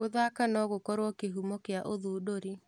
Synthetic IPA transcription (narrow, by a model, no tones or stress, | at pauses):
oðakanɔɣokɔɾwɔkeɦumɔkeaʔoðuːdoɾi